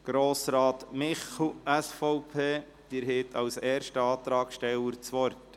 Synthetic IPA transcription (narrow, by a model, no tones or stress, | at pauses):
ɡ̥ɾoːsɾɑːtmɪχl̩æsfɔʊpʰeː | d̪̥ɪɾɦet̪ʰɑwsɛːɾʃtəɑːt̪ɾɑːkʃtɛwəɾt͡sʋɔɾt